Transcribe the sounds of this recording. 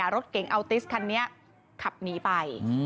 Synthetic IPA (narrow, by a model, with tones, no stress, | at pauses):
aː˨˩˦ɾo˦˥t̪̚ke˨˩˦ŋʔa˧wt̪i˦˥skʰa˧nːi˦˥ɐ | kʰa˨˩p̚niː˦˥pa˧j